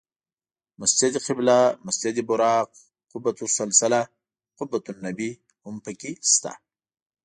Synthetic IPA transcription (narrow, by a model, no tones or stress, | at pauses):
masd͡ʒad̪iqɪblamasd͡ʒad̪ibʊɾɑːq | qʊbːat̪usalsala | qʊbːat̪unːabi | hʊmpəkist̪a̰